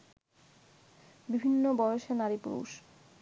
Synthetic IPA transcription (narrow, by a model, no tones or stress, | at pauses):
bibʱinːobɔjoʃenaɾipṵɾṵʃ